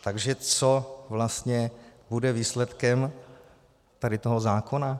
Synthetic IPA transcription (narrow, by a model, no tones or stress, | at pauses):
t̪aɡʒɛt͡sovlast̪ɲɛbudɛviːslɛt̪kɛm | t̪adɪt̪oɦozaːkona